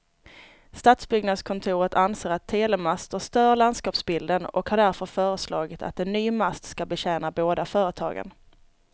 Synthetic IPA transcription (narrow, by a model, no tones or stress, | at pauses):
st̪at̪sbʏɡnad̪skʰɔnt̪ʰuːɾət̪anseːɾat̪ʰːeːlɛmast̪əst̪œːɾɭand̪skɑːpsbɪld̪ənɔ̰khaɖæɾfœɾfœːɾəslɑːɡɪt̪ʰa̰t̪̚ɛnːyːmast̪skabɛɕɛːnaboːd̪afœːɾət̪ʰɑ̰ːɡə̰n